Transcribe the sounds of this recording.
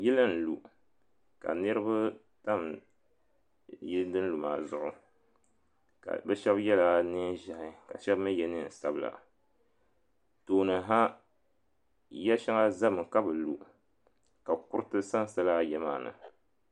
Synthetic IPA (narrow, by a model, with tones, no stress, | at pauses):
ji˦lɨ˦n̩˨lṵ˨ | ka̰˨nɨ˦ɾɨ˦ba˦ | ta˦˨m | ji˦dɨ˦n̩˦lu˨ma̰ː˨zʊ˦˨ʔʊ˦ | ka̰˨bɛ˦ʃɛ˦bjɛ˦la˦nɨ˦ʒa˨ʔɪ˦ka̰˨ʃɛ˦bmɨ˦jɛ˦nɨ˦˨n̩˨sa˦bla̰˨ | toː˨nɨ˨ɦa˦ | jɛ˦ʃɛ˦ŋa˦za˦mɨ˨ka˦bɨ˨lu˨ | ka˨ku˦ɾɨ˦tɨ˦sa˦n˨sa˦laː˦˨jɛ˦maː˦˨nɨ̰˨